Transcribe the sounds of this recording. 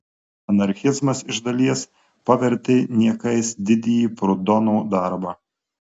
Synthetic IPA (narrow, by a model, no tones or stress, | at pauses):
ɐnɐɾʲxʲɪzmɐsɪʒd̪ɐlʲiɛs | pɐʋʲɛɾʲt̪ʲeːnʲiɛkɐɪsd̪ʲɪd̪ʲɪjiːpɾʊd̪ɔnuːd̪ɑˑɾbɑː